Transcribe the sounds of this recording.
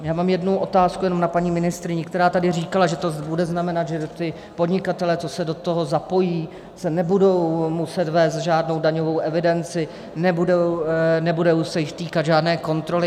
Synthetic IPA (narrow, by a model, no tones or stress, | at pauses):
jaːmaːmjɛdnuwʔo̞t̪aːskujɛno̞mnapaɲiːmɪnɪst̪ɾɪɲɛkt̪ɛɾaːt̪adɪriːkalaʒɛt̪obudɛznamɛnat̪ʒɛt̪ɪ | podɲɪkat̪ɛlɛt͡sosɛdo̞t̪o̞ɦo̞zapo̞jiː | sɛnɛbudo̞wmusɛt̪vɛːs̬t̪ʒaːdno̞wdaɲo̞vo̞wʔɛvɪdɛnt͡sɪ | nɛbudownɛbudowsɛjɪxt̪iːkad̪ʒaːdnɛːko̞nt̪ɾo̞lɪ